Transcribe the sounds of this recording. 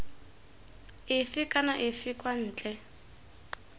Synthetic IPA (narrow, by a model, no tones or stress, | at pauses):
ɪfɪkʼanaʔɪfikʼwan̩ːt͡ɬʼɛ